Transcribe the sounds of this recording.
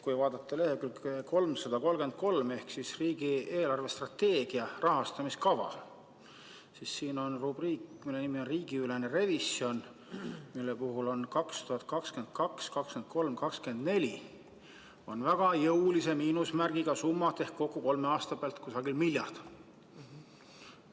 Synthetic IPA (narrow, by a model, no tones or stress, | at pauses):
kujvɑːd̪ɑt̪ːˑele̞hekylko̞lmsɑd̪̥ɑko̞lɡe̞nd̪̥̚ko̞lme̞hksisriːɡ̥ieːlɑrve̞st̪rɑt̪ːe̞ːɡ̥iɑrɑɦɑst̪ɑmiskɑvɑ̰ | sisːiːno̞nrub̥riːkmilːe̞nimio̞nriːɡ̥iyle̞nere̞vision | milːe̞puɦulo̞nkɑkst̪uhɑt̪̚ˑkɑkske̞nd̪̥̚kɑkskɑkske̞nt̪̚ko̞lmkɑkske̞nd̪ne̞lʲi | o̞nvæɡ̥ɑjɤulise̞miːnusmærɡ̥iɡ̥ɑsumːɑt̪ːˑe̞hkkːo̞kːˑuko̞lme̞ɑːst̪ɑpeɑlt̪kusɑɡilmilʲjɑ̰rd̪̥